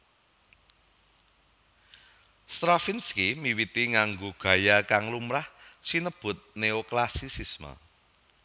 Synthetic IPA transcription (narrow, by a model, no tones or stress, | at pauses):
st̪ɾafinskimiwit̪iŋaŋɡoɡ̥ä̤jakaŋlumɾahsinəb̥ʊ̤t̪̚neoklasisismə̰